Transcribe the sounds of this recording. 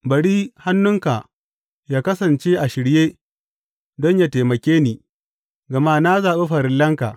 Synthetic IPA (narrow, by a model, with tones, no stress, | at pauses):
bɐ˨ɽiː˦ha˦nːʊ˦ŋka˨ | jaː˦kɐ˦sɐ˨nt͡ʃe˦ʔa˨ʃɪ˨ɽjeː˦ | dɔ˦ɲja˨teː˨mɐ˨kʲeː˦niː˨ | ɡɐ˨ma˦na˦zaː˨ɓe˦ɸɐ˨ɾɪ˦lːɐ˦ŋka̰˨ʔ